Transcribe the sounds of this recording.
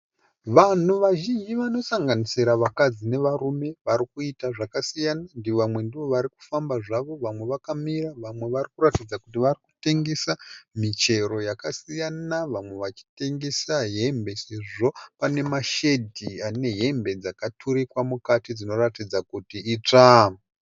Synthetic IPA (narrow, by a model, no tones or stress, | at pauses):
ʋan̤uʋaʒind͡ʒiʋano̞saŋɡanisiɾaʋakad͡zine̞ʋarume̞ʋaɾikuitaʐakasijanandiʋamwe̞ndiʋo̞ʋaɾiku̥fambaʐaʋo̞ʋamwe̞ʋakamiraʋamwe̞ʋaɾrikuratid͡zakutiʋariku̥te̞ŋɡe̞samit͡ʃe̞ɾo̞jakasijanaʋamwe̞ʋat͡ʃi̥te̞ŋɡe̞saɦe̞mbe̞se̞ʐo̞pane̞maʃe̞dʱiane̞ɦe̞mbe̞d͡zakatʰuɾikwamukatid͡zino̞ratid͡zakutiit͡ʂa